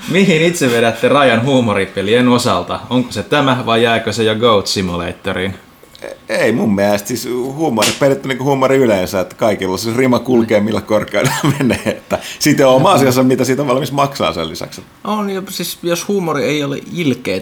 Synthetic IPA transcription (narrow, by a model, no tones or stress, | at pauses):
mihinit̪seʋʋeɾæt̪ːerɑjɑnhuːmoripelienosɑlt̪ɑoŋkoset̪æmæʋɑijjæːkøsejɑɡout̪simulḛit̪ːorin | eimumːiælest̪sishuːmoritpelet̪ːyniːŋkuhuːmoriylensæet̪ːæ̥kɑikilːɑsisrimɑkulkeːmmilːækkorkˑeɑ̰inɑmeneːet̪ːæsit̪joomɑsiɑsɑmmit̪æsiːt̪oʋʋɑlmismɑksɑ̰ːnsḛlḭsɑ̰kset̪ːonjosisjoshuːmorieiolḛilkeː